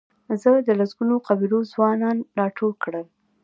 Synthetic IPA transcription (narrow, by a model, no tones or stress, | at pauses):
zəd̪əlasɡunoqabiɾozwɑnɑnɾɑʈʰolkɽəl